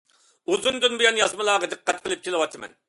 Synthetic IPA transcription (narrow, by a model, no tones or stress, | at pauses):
uzund̪ynbujɑnjɑzmɨlˠɑːʁəd̪ɨqːɛt̪̚qʰəlˠɨp̚kʲelˠɨwɑt̪ʰɨmɛ̰n